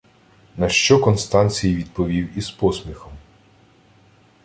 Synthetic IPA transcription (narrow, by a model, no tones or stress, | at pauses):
nɐʃt͡ʃɔkɔnst̪ɑnʲt͡sʲijiʋʲid̪̚pɔʋʲiwizpɔsmʲixɔm